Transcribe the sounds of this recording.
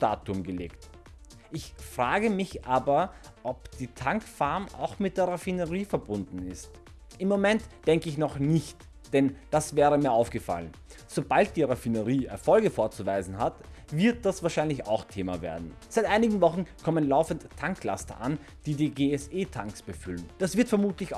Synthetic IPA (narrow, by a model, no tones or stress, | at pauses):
ta̰ːtʊmɡəlḛːkt | ʔɪçfʁ̥aːɡəmɪçʔaːbɐ | ʔɔpd̥iːtʰaŋkfaɐmʔa̰ʊxmɪt̚d̥eːɐʁafinəʁiːfɛɐbʊndn̩ɪst | ʔɪmːomɛntd̥ɛŋkəɪçnɔχnɪçt | d̥ɛnd̥asv̥ɛːʁəmiːɐʔaʊfɡ̥əfa̰lən | z̥obalt̚d̥iːʁafinəʁiːɛɐfɔlɡəfoːɐt͡suvaɪzn̩ɦat | vɪɐt̚d̥asv̥aːɐʃaɪnlɪça̰ʊxtʰeːma̰vḛːɐdn̩z̥aɪtʔaɪnɪɡŋ̩vɔχn̩kʰɔmənlaʊfəntʰːaŋkla̰stɐʔa̰n | d̥iːdiːɡeːɛseːtʰaŋksb̥əfʏlnd̥asv̥ɪɐtfɛɐmuːtlɪç